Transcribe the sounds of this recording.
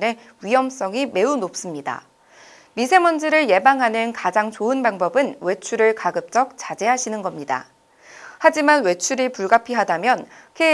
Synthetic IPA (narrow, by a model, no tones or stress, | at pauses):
ne̞ | ɥiɦʌms͈ʌŋime̞unop̚s͈ɯmɲida̰ | misʰe̞mʌnd͡ʑiɾɯɭje̞baŋɦanɯnkad͡ʑaŋt͡ɕoɯnpaŋbʌbɯnwe̞t͡ɕʰuɾɯɭkaɡɯp̚t͡ɕ͈ʌk̚t͡ɕ͈ad͡ʑe̞ɦaɕʰinɯnɡʌmɲida̰ | had͡ʑimanwe̞t͡ɕʰuɾipuɭɡapʰiɦadamjʌnkʰe